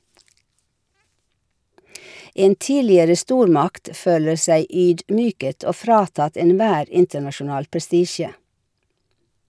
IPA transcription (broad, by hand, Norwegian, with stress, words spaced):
ˈeːn ˈtiːlɪəɾə ˈstuːɾˌmɑkt ˈføːlə ˈsæɪ ˈyːdˌmyːkət ˈoː ˈfɾɑːtɑt ɛnˈʋæːɾ ˈɪntənɑʃʊˌnɑːl pɾɛˈstiːʃə